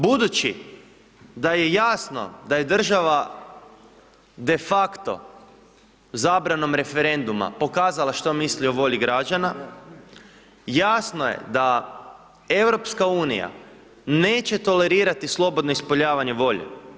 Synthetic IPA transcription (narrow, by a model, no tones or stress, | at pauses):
bud̪ut͡ʃi | d̪aje̞jaːsno̰d̪aje̞d̪r̩ʒaʋa | d̪e̞fakt̪o̞̰ | zaːbɾano̞mɾe̞fe̞ɾe̞nd̪uma̰po̞kaːzalˠaʃt̪o̞mislioʋo̞ʎiɡɾad͡ʒana | jasnojḛd̪a | e̞wɾo̞pskauːnija̰ | ne̞ːt͡ɕe̞t̪o̞le̞ɾiːɾat̪islˠo̞bo̞d̪noispoʎaːʋaɲeʋo̞ʎḛ